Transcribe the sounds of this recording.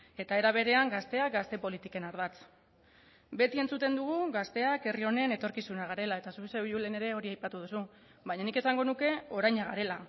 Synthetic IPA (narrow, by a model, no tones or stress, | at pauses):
e̞t̪ae̞ɾaβ̞e̞ɾe̞aŋɡast̪e̞ak̚ɡast̪e̞po̞lit̪ike̞naɾðat͡s | be̞t̪ie̞nt͡sut̪e̞nd̪uɣ̞uɣast̪e̞ake̞rio̞neːne̞t̪o̞ɾkisunaɣ̞aɾe̞lae̞t̪asuseβiulene̞ɾe̞o̞ɾiajpat̪uð̞usu | βaɲanike̞saŋɡo̞nuke̞o̞ɾajɲaɣ̞aɾe̞la